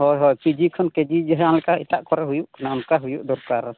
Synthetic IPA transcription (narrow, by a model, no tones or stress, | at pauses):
ɦɔjɦɔjpid͡ʒikʰɔnked͡ʒid͡ʒɛɦanlɛkait̪aʔkɔɾɛɦujuʔkanaunkaɦujuʔd̪ɔɾkaɾ